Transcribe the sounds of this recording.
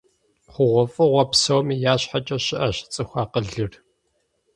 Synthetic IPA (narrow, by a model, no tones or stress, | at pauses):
χʷʊʁʷɔfʼɨʁʷɐpsowmiːjaːɕħat͡ʃʼɐɕɪʔɐɕɪ̥t͡sʼɨxʷɑːqəɮɨr